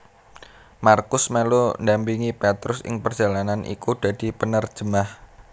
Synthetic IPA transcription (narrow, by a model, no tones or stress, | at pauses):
markʊsmelundampiŋipɛt̪ɾʊsɪ̰ŋpərd̥ʒ̥a̤lananʔḭkud̥a̤d̥i̤pənər̥ʒ̥əmah